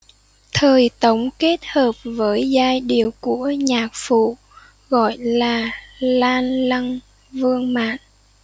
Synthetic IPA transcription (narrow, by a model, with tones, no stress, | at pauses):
t̪ʰəː˨˩jt̪ə˨˦wŋ͡mke˦˥t̚həː˨˩p̚vəː˨˦jzaː˧jɗi˨˩əwku˧˩əɲaː˨˩k̚fṵ˧˨ | ɣɔ̰˧˨jlaː˨˩laː˧nla˧ŋ | vɨ˧əŋma̰ː˧˨n